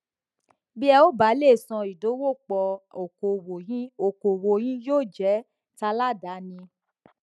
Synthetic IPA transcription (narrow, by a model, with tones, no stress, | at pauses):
bi˦ɛ˧o˦ba˨˦le˦˨sɔ̃˧i˨do˨˦wo˦˨k͡pɔ˧o˨o˨wo˨ĩ˦o˨ko˨wo˨˧j̃ĩ˦joː˦˨d͡ʒɛ˨˦ | ta˧la˦˨da˨˦nĩ˧